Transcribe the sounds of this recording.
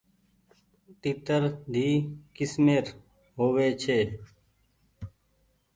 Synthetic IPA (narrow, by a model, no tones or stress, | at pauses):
t̪it̪əɾd̪ʱiːkɪsmeːɾ | ɦoːʋeːt͡ʃʰeː